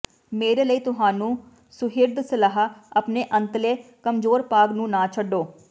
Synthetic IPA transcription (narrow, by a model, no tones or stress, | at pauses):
meːɾeːləiːt̪ʊɦaːnũː | sʊɦɪɾd̪sɪlaːɦaəpneːʔə̃nt̪leːkəmd͡ʒoːɾpaːɡnũːnaːt͡ʃʰəɖoː